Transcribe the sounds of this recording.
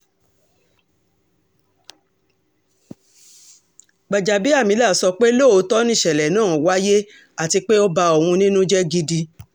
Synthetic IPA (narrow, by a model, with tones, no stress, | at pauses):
ɡ͡ba˨d͡ʒa˨bi˦a˦˨mĩ˧˦la˦˨sɔ˧k͡pe˦lo˦˨o˧˦tɔ˦nĩ˦˨ʃɛ˨lɛ˨nãː˦˨wa˦je˦ | a˦˨ti˧k͡pe˦o˦ba˧o˨hũ˧nĩ˦nũ˦d͡ʒɛ˦ɡi˧di˧